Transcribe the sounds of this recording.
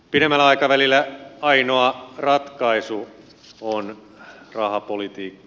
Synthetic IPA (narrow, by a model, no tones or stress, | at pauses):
piɾemːælːæɑikɑʋælilːˑæɑinoɑrɑt̪kɑisu | on | rɑhɑpolit̪iːkːɑ̥